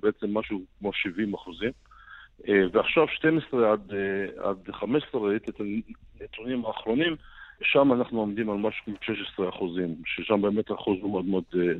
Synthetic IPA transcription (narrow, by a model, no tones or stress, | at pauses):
beet͡se̞mːaʃukmoʃivimaχuzim | veaχʃavʃtemesʁead̪a̰d̪χameʃe̥sait̪iet̪anet̪unimaːχɾo̞nimʃamanaχnuomd̪imalmaʃu̥kmot̪ʃeʃesʁeaχuzimʃeʃambeːmet̪aχuzumod̪mod̪